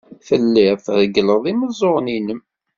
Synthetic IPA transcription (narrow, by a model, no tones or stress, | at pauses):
fəlːɪfðəɡləðˤiməzˤoʁninəm